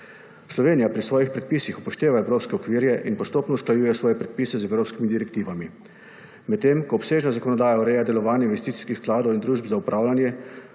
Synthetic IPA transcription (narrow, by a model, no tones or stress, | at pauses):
slɔʋeːnijapɾisʋɔːjixpɾɛt̪̚pisixupɔʃt̪eːʋaɛwɾoːpskɛɔkʋiːɾjɛʔinpɔst̪oːpnɔusklajuːjɛsʋɔːjɛpɾɛt̪̚piːsɛzɛwɾoːpskimid̪iɾɛk̚t̪iːʋami | mɛt̪ːemkɔːpseːʒnazakɔnɔd̪aːjaɔɾɛjad̪ɛlɔʋaːnjɛinʋɛst̪it̪i̥skixsklaːd̪ɔwind̪ɾuːʒbzaupɾʔaːwlanjɛ